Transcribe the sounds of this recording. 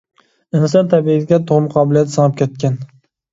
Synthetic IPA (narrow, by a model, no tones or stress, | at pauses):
ɪnsat̪ʰabiɡʲat̪ʰoʁmqʰɑːbɪlˠijat̪sɑŋɨp̚kʲʰet̪̚kʲan